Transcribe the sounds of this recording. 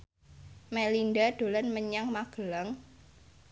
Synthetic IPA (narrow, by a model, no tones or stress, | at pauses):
melindad̪̥o̤lanməɲaŋmaɡ̥ə̤laŋ